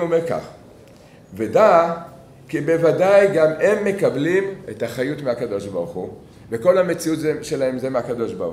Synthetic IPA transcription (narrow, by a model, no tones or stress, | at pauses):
omeʁka̰χ | vedaː | kibe̞vadajɡame̞mːe̞kablime̞taχajutmeakado̞ʃbaʁuχu | veko̞lhame̞t͡siutzʃe̞lahe̞mzemeakado̞ʃba